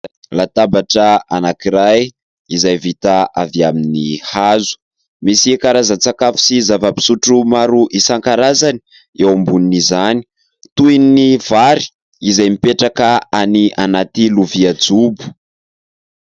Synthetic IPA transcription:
lat̪abaʈ͡ʂəanakiɾaj | izajvit̪aaviaminihazu̥ | misikaɾazant͡sakafu̥sizavəpi̥suʈ͡ʂumaɾuʔisaŋkaɾazani̥ | ewambuninizani̥ | t̪ujniv̥aɾi̥ | izajmipeʈ͡ʂakəaniʔanat̪iluviad͡zubu̥

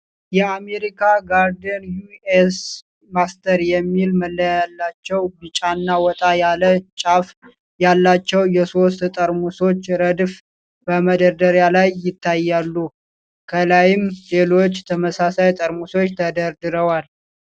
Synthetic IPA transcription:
jɛame̞ɾikʰaɡaɾd̪ənjues | mast̪ʰəɾjɛmːilməlːəjalːat͡ʃːɛwbɨt͡ʃʼanːawɔt̪ʼajalət͡ʃʼaf | jalːat͡ʃːɛwjɛso̞st̪t̪ʼəɾmuso̞t͡ʃːɾəd̪f | b̥əməd̪əɾd̪əɾjalajːɪt̪ːajːalːu | kʰəlajɪmle̞lo̞t͡ʃːt̪ʰəməsasajt̪ʼəɾmuso̞t͡ʃːt̪ʰəd̪əɾd̪ɨɾəwal

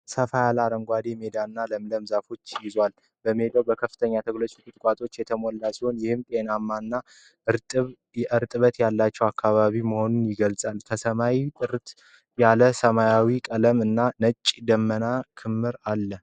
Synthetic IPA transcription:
səfajalaɾəŋɡʷad̪eme̞d̪aɨnːaləmləmzafo̞t͡ʃːjɪzwal | bəme̞d̪awbəkʰəfːɨt̪ʰəɲːat̪ʰəɡlət͡ʃʼɪt̪ʼɨt̪ʼkʼat̪ʼo̞t͡ʃːjɛt̪ʰəmɔlːasiho̞njɪhɨmt̪ʼe̞namːanːa | ɨβ | ʔɨɾt̪ʼɨβət̪jalːat͡ʃːɛwakʰːaβaβiməho̞nunjɪɡəlsʼalkʰəsəmajit̪ʼɨɾt̪ | jaləsəmajawikʼələmɨnːanət͡ʃʼːd̪əmːənakʰɨmːɨɾalːə

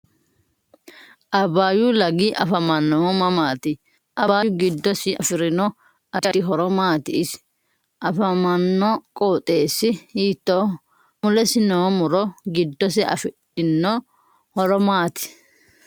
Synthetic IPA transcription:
ʔɐbaːjulɐɡiːʔɐfɐmɐnːɔwɔmɐmaːt̪ɪ | ʔɐaːʊɡɪd̪ːɔsɪɐfɪɾɪnɔ | ɐɪɦɔɾɔmaːt̪ɪɪs | ʔɐfɐmɐnːɔkʼoːt̪ʼe̞ːsːɪhiːt̪ːoː | mʊlɛsɪnɔwɔmʊɾɔɡɪd̪ːɔs̬ɪɐ̰fɪᶑɪnːɔ | hɔɾɔmaːt̪ɪ̥

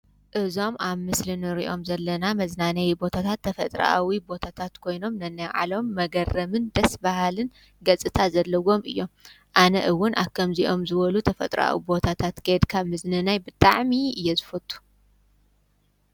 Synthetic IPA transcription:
ʔɨzo̞maβmɨslɨnɨɾḭʔomzɐlːɐnamɐznanɐjbo̞t̪ʰat̪ʰat̪ʰːɐfɐt̪ʼɾa̰a̰wibo̞t̪ʰat̪ʰat̪kʰo̞jno̞mnɐnːajʕa̰lo̞mːɐɡɐrːɐmɨnd̪ɐsbahalɨn | ɡɐt͡sʼɨt̪ʰazɐlːɐwo̞mɨ̰jːo̞m | ʔanɐ̰ʔɨwʊnʔa̰βkʰɐmziʔo̞mzɨβɐlut̪ʰɐfɐt̪ʼɾɐ̰a̰wibo̞t̪ʰat̪ʰat̪ɡed̪kʰaβmɨznɨnajbɨt̪ʼaʕmiɨjːɛzɨfɐt̪ʰʼːu̥

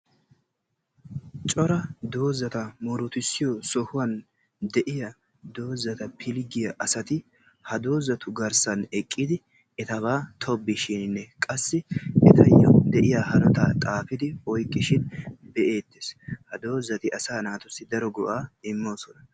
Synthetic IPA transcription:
t͡ʃʼɔɾɐd̪o̞ːzɐt̪ɐmɔɾʊt̪ɪsːɪjɔsɔhʊwɐn | d̪ɛʔɪjɐ | d̪o̞ːzɐt̪ɐpʰɪlɡɪjɐʔɐsɐt̪ɪ | hɐd̪o̞ːzɐt̪ʊɡɐɾsɐnɛkʼːiːd̪ɪ | ɛt̪ɐβaːt̪ʰɔbːɪʃɪnnːɛkʼɐsːɪɛt̪ʰɐjːɔ̰d̪ɛʔɪjaːhɐnɔt̪aːt̪ʼaːfɪd̪ɪwɔjkʼːɪʃɪnbɛʔe̞ːt̪ːeshɐd̪o̞ːzɐt̪ɪʔɐsaːnaːt̪ʊsɪd̪ɐɾɔɡɔʔaːɪmːo̞ːsɔnɐ

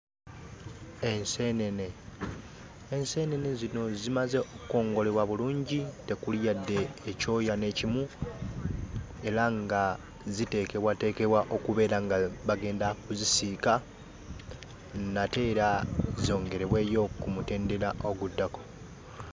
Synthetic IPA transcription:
e̞nsene̞ne̞ | nse̞ne̞ne̞zino̞zimaze̞ʔokuko̞ːŋɡo̞le̞βwaβuluːɲɟite̞kuljadːe̞ːco̞ːjane̞cimu | e̞ɾaŋɡa | zite̞ke̞βwate̞ːke̞βwaʔo̞kuβe̞ːɾaŋɡaβaɡe̞ːndakuzisiːka | nate̞ːɾazio̞ːŋɡe̞ɾe̞βwe̞ːjo̞kumute̞ːnde̞ɾaʔoɡudːako̥

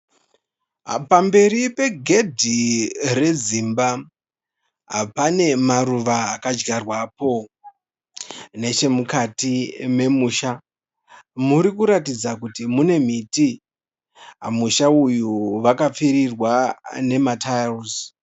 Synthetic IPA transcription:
pambe̞ɾipe̞ɡʱe̞dʱire̞zimba | ɦa̰pane̞maruʋaːkad͡ʒɡarwapo̞ | ne̞t͡ʃe̞mukatime̞muːʃa | muɾikuɾatid͡zakutimune̞m̤iti | ɦamuʃaujuʋakap͡fiɾirwane̞matalz

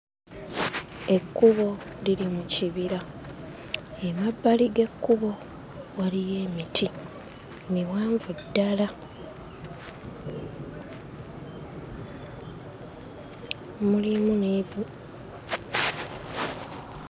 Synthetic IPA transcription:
e̞kːuβo̞lilimuciβiɾa | emabːaliɡe̞kːuβo̞ | walijeːmitʰi | niwaːɱvudːala | mulimuneβu

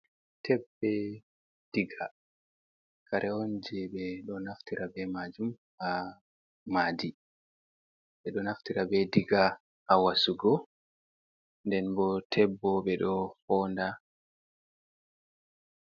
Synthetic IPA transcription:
tʰɛbːɛ | d̥iɡa | kʰaɾʔɛond͡ʒɛɓɛɗɔnaftiɾabɛmad͡ʒum | a | maːdi | ɓɛɗɔnaftiɾabɛdiɡa | ʔawasuɡɔ | ndɛnbɔtʰɛbːɔɓɛɗɔfɔnda

